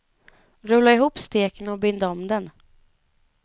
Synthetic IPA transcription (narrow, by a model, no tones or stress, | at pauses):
ɾɵlːaɪɦuːpst̪eːkənɔbʏnd̪aɔmd̪ɛn